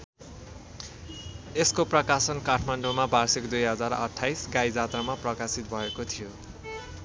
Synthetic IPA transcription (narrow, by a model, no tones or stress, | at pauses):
eskoprʌkasʌnkaʈʰmaɳɖomabarsikd̪ujɦʌd͡zarʌ̰ʈʰːajsɡaid͡zat̪ramaprʌkasit̪̚bʱʌekot̪ʰijo